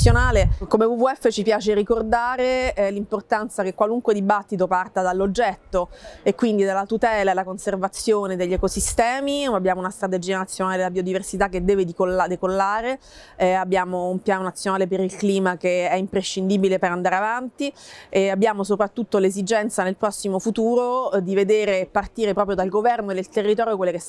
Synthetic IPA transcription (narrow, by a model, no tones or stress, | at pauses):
jonaːlekomevuvuɛfːet͡ʃipjaːt͡ʃeɾikord̪aːɾelimport̪ant̪sakekwaluŋkwed̪ibat̪ːit̪̬opart̪ad̪alːod͡ʒːɛt̪ːoekːwind̪id̪alːat̪ut̪ɛːlaelakonservat̪sjoːned̪eʎːɛkosist̪ɛːmiabːjaːmounast̪ɾat̪̬ed͡ʒiːanat̪sjonaːled̪elːabiod̪iversit̪akːed̪ːɛːved̪ikolad̪ekolːaːɾe | abːjaːmoumpjaːnonat̪sjonaːlep̬eɾilkliːmakeɛimpɾeʃːind̪iːbilepeɾand̪aːɾeavant̪ieabːjaːmos̬opɾat̪ːut̪ːolezid͡ʒɛnt̪sanelpɾɔsːimofut̪uːɾod̪ived̪eːɾepart̪iːɾepɾɔːpɾjod̪alɡovɛrnoed̪elt̪erːit̪ɔːɾjokwelːekes